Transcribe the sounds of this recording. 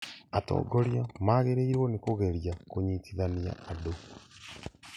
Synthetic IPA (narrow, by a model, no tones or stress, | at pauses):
ato̰ɡoɾjamaɣeɾeiɾwonekoɣeɾjakoɲitiðanja̰ado